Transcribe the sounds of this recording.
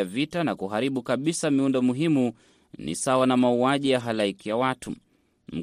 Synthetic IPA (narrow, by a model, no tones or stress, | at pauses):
avitanakuɦaɾiɓukaɓisamiundɔmuɦimu | nḭsawanamauaʄijaɦalaikijawatṵ | m̩